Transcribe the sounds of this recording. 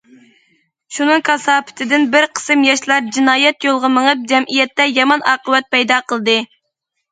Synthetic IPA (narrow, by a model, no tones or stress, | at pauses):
ʃunɨŋkʰɑsɑːpʰɪ̥t̪ʰɪd̪ɪnbɪɾqʰə̥sɨmjɑʃlˠɑɾd͡ʒinɑːjɛt̪jolˠʁəməŋəp̚d͡ʒɛmʔijɛt̪ːɛjɑmɑnɑːqəwɛt̪̚pʰɛjd̪ɑːqʰəlˠɨd̪ɨ